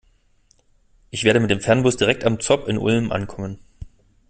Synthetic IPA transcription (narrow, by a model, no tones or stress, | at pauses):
ʔɪçv̥eːɐɾdəmɪtd̥eːmfɛɐnbʊsd̥iʁɛk̚tamt͡sɔpɪnʔʊ̰lmʔa̰nkʰɔmən